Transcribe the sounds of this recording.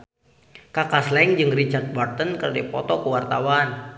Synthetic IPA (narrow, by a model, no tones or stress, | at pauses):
kakaslɛŋd͡ʒɨŋrit͡ʃart̪̚bɔrt̪ənkəɾdipɔt̪ɔkəwart̪awan